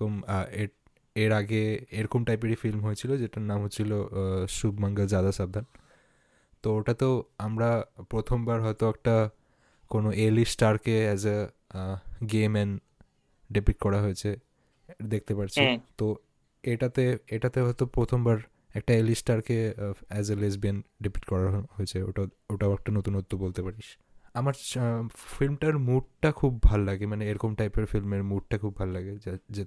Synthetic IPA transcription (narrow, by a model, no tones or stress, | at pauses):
ome | eɾaɡeeɾkomʈajp̬iʈifilmɦojt͡ɕʰilod͡ʑeʈanamɦot͡ɕʰiloʃubʱmaŋɡald͡ʑad̪aʃab̚d̪ʱan | t̪ooʈat̪oamɾapɾot̪ʰombaɾɦɔet̪oɛk̚ʈa | konoʔelisʈaɾkeɛd͡ʑa | ɡemɛn | ɖepik̚kɔɾaɦojet͡ɕʰe | d̪ek̚ʰt̪epaɾt͡ɕʰit̪o | eʈat̪eeʈat̪eɦɔjt̪opɾot̪ʰombaɾ | ɛk̚ʈaelisʈaɾkeɛd͡ʑlesbienɖipi̥ʈkɔɾaɦoet͡ɕʰeo̰ʈa | oʈaoɛk̚ʈanot̪unot̪ːubolt̪epaɾiʃ | amaɾ | filmʈaɾmuɖ̚ʈakʰubːʱallaɡemaneeɾɔkomʈajpeɾfilmeɾmuʈ̚ʈakʰubʱalːaɡed͡ʑe